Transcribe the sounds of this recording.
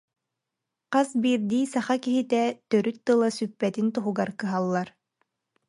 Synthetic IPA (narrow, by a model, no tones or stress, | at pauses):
qasbiːɾd̪iːsaχakiɦit̪ɛt̪œɾyt̪̚t̪ːɯlˠasypːɛt̪int̪uɦuɡaɾkɯɦalˠːaɾ